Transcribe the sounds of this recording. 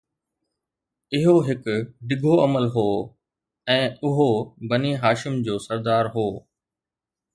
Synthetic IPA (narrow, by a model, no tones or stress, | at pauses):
ɪɦoɦɪkɖɪɡʱoɐməlɦoː | ɛ̃ːʊɦobɐniɦaːʃɪmd͡ʑoːsɐɾd̪aːɾɦoː